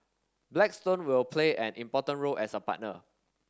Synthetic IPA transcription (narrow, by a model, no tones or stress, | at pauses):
blɛkstõnwilpʰleʔɛ̃nʔĩmpɔtə̃nɹolʔɛsəpa̰t̚nə̰